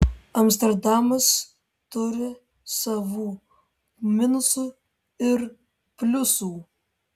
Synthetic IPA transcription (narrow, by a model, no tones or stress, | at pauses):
ɐmsʲt̪ʲɛɾd̪ɑmɐs | t̪ʊɾʲɪ | sɐʋuː | mʲɪnʊsuː | ɪɾ | pʲlʲʊsuː